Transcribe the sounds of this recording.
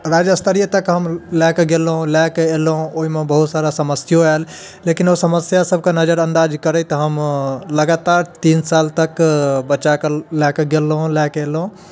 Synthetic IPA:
ɾad͡ʒəst̪ʰəɾijət̪əkɦəmlɛkeɡelɦũlakeelɦũoɦimebəɦut̪saɾasəməsjoal | lekinosəməsjasəb̚ʱkenəd͡ʒəɾə̃nd̪ad͡ʒkəɾət̪ɔɦəmləɡat̪aɾt̪insalt̪əkbət͡ʃakelɛkeɡelːɦũlɛkelɦũ

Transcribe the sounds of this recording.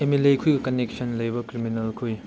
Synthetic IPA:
emelekʰujɡɐkɐnek̚sɐnlɐjbɐkɾiminɐlkʰuj

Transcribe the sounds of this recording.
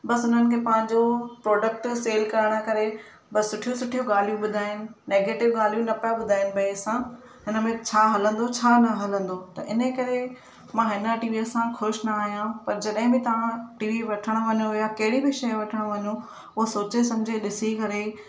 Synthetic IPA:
bɐsʊn̤ənɪ̆kʰeːpɐ̃ɦɪ̃ɲd͡ʑopɾɔːɖək̚ʈseːlkɐɾəɽ̃ə̆kɐɾe | bɐsːʊʈʰijũsʊʈʰijũɠaːl̤ijũɓʊd̪ʱaːɪnɪ̆neːɡeːʈɪʋɡaːl̤ijũnɐpjaɓʊd̪ʱaːɪnɪ̆bɐesã | ɦɪnəmẽt͡ɕʰaːɦɐlə̃nd̪ot͡ɕʰaːnɐɦɐlə̃nd̪ot̪ɐʔɪnəkɐɾe | mãɦɪnəʈiːʋiəsãxʊʃnɐaːɦijãpɐɾd͡ʑɐɗɦɪ̃bɪt̪ɐʋ̤ãʈiːʋiʋɐʈʰəɽ̃ʊʋɐɲõɪjakɐɦɪɽibɪʃɐẽʋɐʈʰəɽ̃ʋɐɲũ | ʊɦosoːt͡ɕes̬ɐ̃md͡ʑʱeɗɪsikɐɾe

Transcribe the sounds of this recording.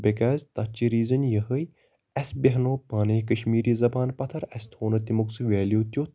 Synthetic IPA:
bekaːzʲt̪ɐt͡ʃiɾiːzɐnjɐɦɨj | ɐsbeɦnoːpaːnekɐʃmiːɾiːzɐbaːnpɐt̪ʰɐɾɐst̪ʰoːnɐt̪imuksʋeːljut̪jo

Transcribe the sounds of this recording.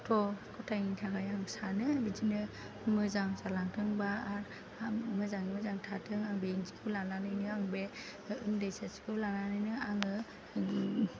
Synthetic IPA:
tʰɔkʰɔtʰajŋitʰakajaŋsanɯbid͡ʒinɯ | mɯzaŋzalaŋtʰɯŋbaːɾ | mɯzaŋmɯzaŋtʰatʰɯŋaŋbeŋzi̥kʰɯwlananɯjnɯaŋbe | ɯŋdajsasi̥kʰɯwlananɯjnɯaŋɯ

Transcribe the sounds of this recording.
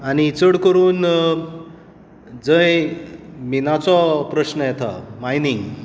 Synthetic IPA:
anit͡səɽkəɾuːn | d͡zəj | minat͡sɔpɾəɕnəjɛt̪ʰa̰majniŋɡ

